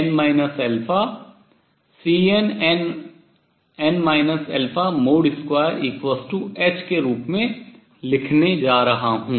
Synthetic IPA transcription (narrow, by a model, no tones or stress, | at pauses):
ɛnmaːɪnəsɛlpʰa | siːenɛn | ɛnmaːɪnəsɛlpʰamoːɖɪskwaːjəɾiːkʋəsʈueːt͡ʃkeɾuːpmẽ | lɪkʰned͡ʒaːɾɐɦaɦũː